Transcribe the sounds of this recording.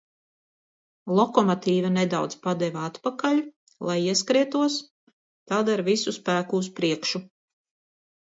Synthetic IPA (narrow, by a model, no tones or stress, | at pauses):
lˠɔkɔmɔt̪iːvaned̪awd̪zpad̪ɛvat̪pakaʎu | lˠajiɛskɾiɛt̪uɔs | t̪aːd̪aɾvisuspæːkuːs̬pɾiɛkʃu